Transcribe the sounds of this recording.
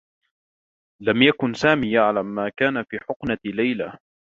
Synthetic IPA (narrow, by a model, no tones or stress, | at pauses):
lamjakʊnsaːmiːjaʕlamːaːkaːnafiːħʊqnalajlaː